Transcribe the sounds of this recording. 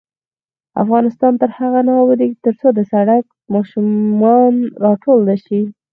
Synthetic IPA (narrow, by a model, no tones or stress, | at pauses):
a̰fɣɑnɪst̪ɑnt̪əɾhaɣanɑwəd̪it̪əɾt͡sod̪əsaɽak̚ | mɑʃʊmɑnɾɑʈold̪aʃi